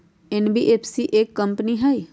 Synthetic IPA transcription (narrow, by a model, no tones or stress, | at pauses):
enbiʔeːpsiʔeːkːɐ̃mpniɦɐj